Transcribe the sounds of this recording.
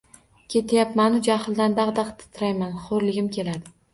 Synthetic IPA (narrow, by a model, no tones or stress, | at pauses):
kʲʰe̞t̪ʰajapmanʊd͡ʒahɪlˠd̪and̪ɑqd̪ɑqt̪ʰɪ̥t̪ʰɾajmanχoɾlɪɡʲɪmkʲʰe̞lad̪ɪ